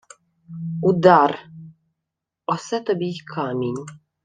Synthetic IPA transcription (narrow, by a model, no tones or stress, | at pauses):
ud̪aɾ | ɔsɛt̪ɔbikʰamiɲ